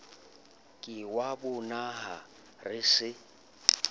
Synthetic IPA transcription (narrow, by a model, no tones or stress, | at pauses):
kʼɪwabʊnaɦa | rɪsɪ